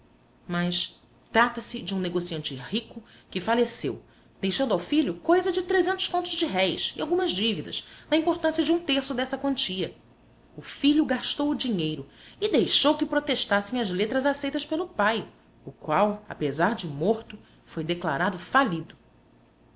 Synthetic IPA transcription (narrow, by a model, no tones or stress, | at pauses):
mɐs | t̪ɾat̪ɐsɪd͡ʒɪũneɡosiɐ̃nt͡ʃɪhikʊkɪfalesew | d̪̥ejʃɐ̃nd̪awfiʎʊkojzɐd͡ʒɪt̪ɾezẽnt̪ʊʃkõnt̪ʊzd͡ʒɪɦɛjsɪawɡũmɐzd͡ʒivid̪ɐ̰snɐĩmpoɾt̪ɐ̃sijɐd͡ʒɪũt̪eχsʊd̪ɛsɐkwɐ̃nt͡ʃiɐ | ʊfiʎʊɡaʃt̪owʊd͡ʒiɲejɾʊɪd̪ejʃowkɪpɾot̪eʃt̪asẽj̃ɐzlet̪ɾɐzasejt̪ɐspelʊpaj | ʊkwawa̰pezaɾd͡ʒɪmoɾt̪ʊ | fojd̪ekla̰ɾad̪ʊfalid̪ʊ